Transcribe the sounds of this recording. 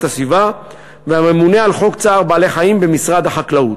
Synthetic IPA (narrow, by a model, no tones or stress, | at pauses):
tasviva | veame̞mune̞alχo̞kt͡saːʁbaːle̞χaimbe̞misʁad̪haχaklaut